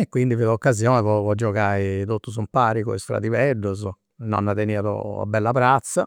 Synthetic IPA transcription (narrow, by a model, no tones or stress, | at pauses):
ekːwind̪ifiðɔkːazjɔːnɛvɔvɔd͡ʒːɔkait̪ot̪ːus̬umpaːɾiko̰ist̪ɾa̰d̪ivɛɖːuz | nɔ̰nːat̪eniːaðo̰a̰bːɛlːapɾat̪sːa